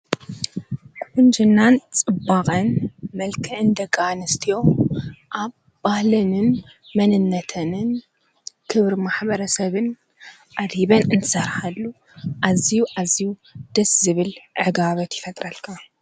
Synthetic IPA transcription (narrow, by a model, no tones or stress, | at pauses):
kʼʔʊnd͡ʒɨnːant͡sʼɨbakʼɐnmɐlkʰɐʔɨnd̪ɐɡʼanɐst̪ʰijo̞ʔaβ | bahlɨnɨn | mɐnɨnːɐt̪ʰɐnɨn | kʰɨβɾmaħbɐɾɐsɐβɨn | ʔad̪hiβɐnɨnt̪ʰɨ̥sɐɾħalːu | ʔazijuʔazijud̪̥ɐszɨβɨlʕɨɡaβɐt̪ʰjɪfɐt̪ʼɾɐlkʰa